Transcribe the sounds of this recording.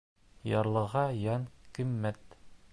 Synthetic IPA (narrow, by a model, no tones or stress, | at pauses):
jɑɾlˠɤ̆ʁɑjɑnkimːæt̪